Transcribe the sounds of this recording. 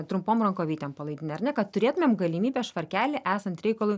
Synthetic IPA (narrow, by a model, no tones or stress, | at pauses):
t̪ɾʊmpoːmɾɐŋkoːʋʲiːt̪ʲɛmpɐlˠɐɪd̪ʲɪnʲeɐɾnʲɛkɐt̪t̪ʊɾʲeːt̪ʊmʲeːmɡɐlʲɪmʲiːbʲɛːsʃʋɐɾʲkʲæːlʲɪʔæːsɐnt̪ɾʲɛɪkɐlˠʊj